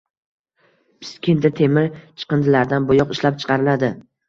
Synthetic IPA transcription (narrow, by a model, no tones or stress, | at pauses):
pɪ̥skʲʰɪnd̪at̪ʰe̞mɪt͡ʃʰɨ̥qɨnd̪ɪlaɾd̪anbʊjɒqɪʃlap̚t͡ʃʰɨ̥qʰɑɾɪlad̪ɪ